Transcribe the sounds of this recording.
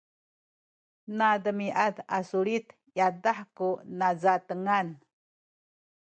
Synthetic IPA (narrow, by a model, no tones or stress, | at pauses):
nadəmiʔad̪asuɭit̪ | jadaħkunad͡zat̪əŋan